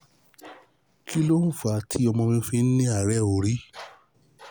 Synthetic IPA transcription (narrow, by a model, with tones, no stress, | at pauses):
kʰi˦lo˦n̩˦fa˨˧tʰi˨˦ɔ˧mɔ̃˧mĩ˧˦fĩ˦nĩ˦a˨ɾɛ˦˨o˨ɾi˨˦